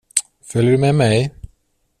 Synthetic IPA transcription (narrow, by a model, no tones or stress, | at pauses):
fœlːəɾʉmemɛj